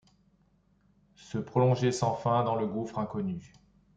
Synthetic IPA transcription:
səpχɔlɔ̃ʒesɑ̃fɛ̃d̪ɑ̃ləɡufχɛ̃kɔny

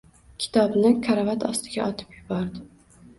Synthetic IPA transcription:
kʲʰɪ̥t̪ʰɒbnɪkʰaɾavat̪ʰɒst̪ʰɪɡʲaʔɒt̪ʰɪ̥pjʊbɒɾd̪ɪ

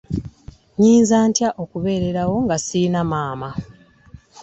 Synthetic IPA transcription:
ɲiːnzaːntjaʔo̞kuβe̞ːɾe̞ɾawo̞ŋɡasiinamaːma

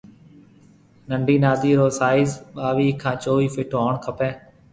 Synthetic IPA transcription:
nəɳɖʱiːnaːd̪iːɾoːsaːɪzɓaːʋiːkʰːãːt͡ʃoːʋiːfɪʈʰːoːɳkʰəpẽː

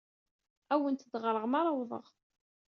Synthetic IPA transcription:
æwənt̪d̪ʁɾˤəʁmɑɾˤɑwðˤə̰ʁ

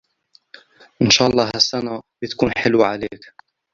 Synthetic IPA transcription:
ʔɪnʃaːʔɑlˤːɑːɦhasːanabɪt̪ḁkuːnħɪlwʕaleːk

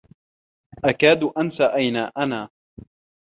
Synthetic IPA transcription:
ʔakaːd̪ʔansaʔajnaːʔanaː

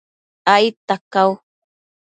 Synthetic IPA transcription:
ajt̪akaw

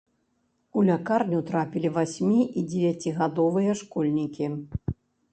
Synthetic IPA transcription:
ulʲakarnʲut̪ɾapʲilʲivasʲmʲiʔid͡zʲɛvʲjat͡sʲiɣad̪ɔvɨjɐʂkɔlʲnʲikʲi

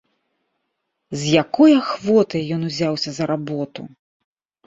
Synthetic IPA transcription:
zʲjakɔjɐxvɔt̪ɐjjɔnuzʲawsʲɐzɐɾabɔt̪ṵ

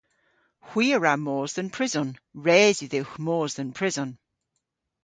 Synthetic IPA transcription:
hw̥iːəɹamɔːzðənpʰɹ̥ɪzɔnɹɛːzjəðɪwxmɔːzðənpʰɹ̥ɪzɔn

